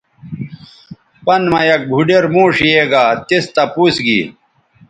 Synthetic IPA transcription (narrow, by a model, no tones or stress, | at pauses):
pɐnmɐjɐk̚bʱuɖeɾmuːʂijeːɡaːt̪ist̪ɐpuːsɡḭː